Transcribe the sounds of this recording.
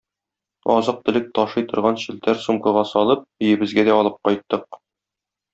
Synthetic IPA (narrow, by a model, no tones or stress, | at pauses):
ɒzɤq̚t̪ɘ̆lɘk̚t̪ɒʃɤjt̪ŏɾʁɑnɕɘ̆lt̪æɾsumkɤ̆ʁɑsɒlˠɤp̚ɘ̆jɘ̆bɘ̆zɡæd̪æɒlˠɤp̚qɒjt̪ːɤq̚